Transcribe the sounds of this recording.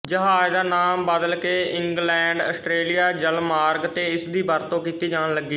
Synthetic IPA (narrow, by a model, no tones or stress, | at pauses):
d͡ʒəɦãːjd̪aːnaːmbəd̪əlkeːʔɪ̃ŋɡlɛ̃ːɳɖəsʈɾeːlɪjaːd͡ʒəlmaːɾɡt̪eːɪsd̪iːbəɾt̪õːkiːt̪iːd͡ʒaːɽləɡːiː